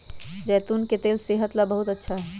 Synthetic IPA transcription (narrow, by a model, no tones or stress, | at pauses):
d͡ʒəjt̪unket̪elseɦət̪labəɦut̪ətːʃʰaɦɛ